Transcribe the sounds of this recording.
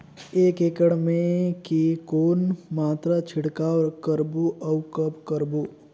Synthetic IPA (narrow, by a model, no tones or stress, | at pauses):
eːkeːkəɽmẽkikoːnmaːt̪ɾat͡ʃʰɪɽkaɔɾkəɾbuʔəwkəbkəɾbo